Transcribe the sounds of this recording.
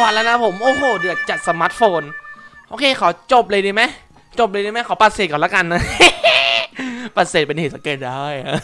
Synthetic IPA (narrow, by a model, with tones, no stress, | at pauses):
wːt̚laː˦˥wna˦˥pʰo˩˦mʔoː˧hoː˨˩dɯ˨˩ək̚t͡ɕa˨˩t̪̚sa˧maː˦˥t̪̚foː˧nʔoː˧˩kʰeː˧˩kʰa˨˩˦wt͡ɕo˨˩p̚lɤː˧jdiː˧ma˦˥j | t͡ɕo˨˩p̚lɤː˧di˧ma˦˥jkʰa˨˩˦pa˨t̪̚seː˨˩kɔː˨˩laː˦˥ka˧nːa˦ | pa˨˩t̪̚seː˨˩t̪̚pe˧nheː˨˩sa˧˥keː˧˩t̪̚daː˧˥˩j